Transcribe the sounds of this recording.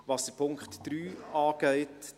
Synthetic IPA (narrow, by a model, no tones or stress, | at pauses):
ʋɑsd̥əɾpʰʊŋkχtd̥ɾyːɑːɡ̥ɛɪt